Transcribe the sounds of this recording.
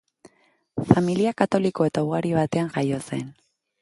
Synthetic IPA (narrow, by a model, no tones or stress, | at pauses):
familiakat̪o̞liko̞et̪auɣaɾiβ̞at̪e̞aŋɡajo̞se̞n